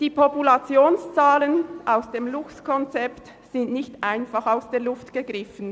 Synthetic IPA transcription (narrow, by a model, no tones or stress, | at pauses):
d̥iːpʰɔpulat͡sjoːnst͡saːlənʔaʊsd̥eːmlʊkskʰɔnt͡sɛpt | z̥ɪndnɪçtʔaɪnfaχaʊsd̥eːɐlʊftɡ̥əɡʁɪfən̩